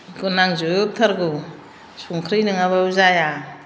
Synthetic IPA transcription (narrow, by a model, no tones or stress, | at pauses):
ɡunaŋzɯp̚t̪ʰaɾɡu | suŋkʰɾɯjnɯŋaβauzaja